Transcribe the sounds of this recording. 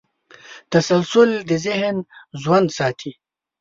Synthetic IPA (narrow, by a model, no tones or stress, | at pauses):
t̪ɐsɐlsʊld̪izɪɦnzwɐnd̪saːt̪ʰi